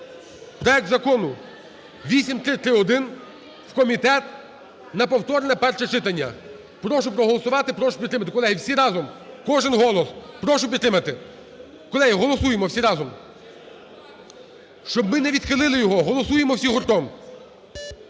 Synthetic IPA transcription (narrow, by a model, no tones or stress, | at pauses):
pɾɔɛk̚t̪zɐkɔnʊ | ʋʲisʲimt̪ɾɪt̪ɾɪɔd̪ɪn | wkɔmʲit̪ɛt̪ | nɐpɔwt̪ɔɾnɛpɛrʃɛt͡ʃɪt̪ɐnʲːɐ̰ | pɾɔʃʊpɾɔɦɔlˠɔsʊʋɑt̪ɪpɾɔʃʊ̥pʲid̪ɾɪmɐt̪̬ɪkɔlˠɛɦiwsʲiɾɑzɔmkɔʒɪnɦɔlˠɔspɾɔʃʊpʲid̪ɾɪmɐt̪ɪ | kɔlˠɛɦiɦɔlˠɔsujemɔwsʲiɾɑzɔm | ʃt͡ʃɔb̚mɪnɛʋʲid̪xɪlˠɪlˠɪjɔɦɔɦɔlˠɔsujemɔwsʲiɦʊrt̪ɔm